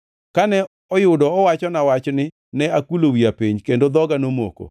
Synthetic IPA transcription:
kanɛ | ɔjʊdɔɔwat͡ʃɔnawat͡ʃnɪ | nɛakulowiapiɲkendod̪ɔɡanomo̰ko̰

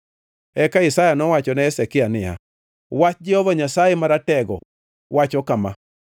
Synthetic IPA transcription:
ɛkaɪsajanɔwat͡ʃɔnaɛsɛkɪanɪja̰ | wat͡ʃd͡ʒɛhɔvaɲasajemaɾatɛɡɔ̰ | wat͡ʃɔkama̰

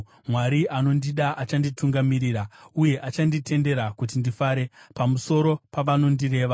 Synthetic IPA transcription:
mwaɾiʔano̞ndiɗaʔat͡ʃandituŋɡamiɾiːɾauje̞ʔat͡ʃandite̞nde̞ɾakut̬indifaɾe̞pamuso̞ɾo̞paʋano̞ndire̞ːʋa

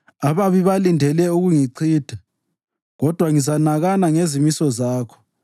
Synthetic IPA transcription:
aβaβiβalindʱɛlɛuɣuŋiǀʰiːd̥ʱa | ɣɔd̥ʱwaŋizanaɣanaŋezimisɔzaːkʰɔ̥

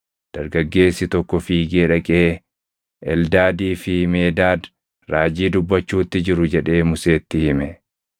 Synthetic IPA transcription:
d̪̥ɐɾɡɐɡːe̞ːsːɪt̪ɔkːɔfiːɡeːᶑɐkʼeː | ʔɛld̪aːd̪iːfɪhme̞ːd̪aːd̪ | ɾaːd͡ʒiːd̪ʊbːɐt͡ʃːuːt̪ːɪd͡ʒɪɾʊd͡ʒɛᶑe̞ːmʊse̞ːt̪ːɪhɪmɛ

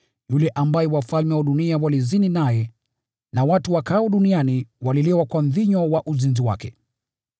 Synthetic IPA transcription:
julɛʔambajɛwafalmɛwaɗuniawalizininajɛ | nawatuwakaɔɗunianiwalilɛwakwam̩ðiɲɔwaʔuzinziwa̰kɛ

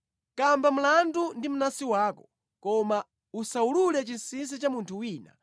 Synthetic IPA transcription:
kambam̩landundim̩nasiwaːkɔ | kɔma | usaululɛt͡ʃinsins̬it͡ʃamuntʰuwiːna̰

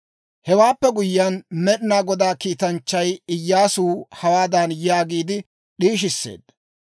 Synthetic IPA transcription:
hɛwaːpːɛɡʊjːɐnmɛɗɪnaːɡɔd̪aːkiːt̪ɐnt͡ʃːɐjɪjːaːsuːhɐwaːd̪ɐnjaːɡiːd̪ɪ | ɗiːʃ̬ɪsːḛːd̪ːɐ̥

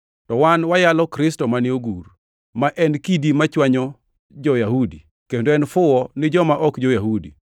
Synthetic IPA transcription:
tɔwanwajalɔkɾɪstɔmanɪoɡur | maʔɛnkidimat͡ʃwaɲɔ | d͡ʒɔjahudi | kendoɛnfʊwɔnɪd͡ʒɔmaʔɔkd͡ʒɔjahudḭ

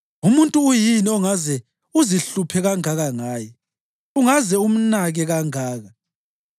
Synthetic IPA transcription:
umuntʼuːjiniɔŋazɛ | uziɬupʰɛɣaŋaɣaŋaːjɛ | uŋazɛum̩naɣɛɣaŋaːɣa

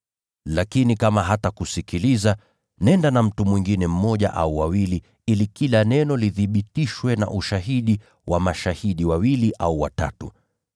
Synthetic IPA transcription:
lakinikamaɦatakusikiliza | nɛndanam̩tumwiŋɡinɛm̩mɔʄa̰ʔa̰uwawili | ilikilanɛnɔliðiɓitiʃwɛna̰ʔuʃaɦiɗi | wʔamaʃahiɗiwawiliʔauwa̰ta̰tu

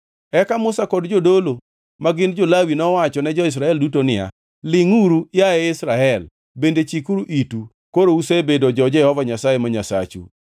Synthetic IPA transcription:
ɛkamʊsakɔdd͡ʒodolo | maɡɪnd͡ʒolawinɔwat͡ʃɔnɛd͡ʒɔɪs̬ɾaɛldutonɪja̰ | lɪŋuɾujaɛɪsɾaɛl | bendet͡ʃikuɾuʔitu | koɾousebedod͡ʒɔd͡ʒɛhɔvaɲasajemaɲasa̰t͡ʃṵ

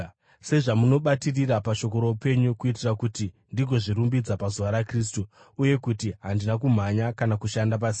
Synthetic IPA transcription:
se̞ʐamuno̞ɓatirirapaʃo̞ko̞ɾoupe̞ɲukuitirakuti | ndiɡʱo̞ʐiɾumbid͡zapazuʋaɾakris̬tu | uje̞kutiɦandinakum̤aɲakanakuʃandap̬asi̥ː

